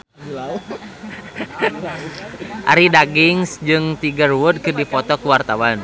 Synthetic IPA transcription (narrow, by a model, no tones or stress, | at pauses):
ʔa̰ɾidaɡiŋsd͡ʒɨŋt̪iɡərwud̚kɨrdipɔt̪ɔkuwart̪awan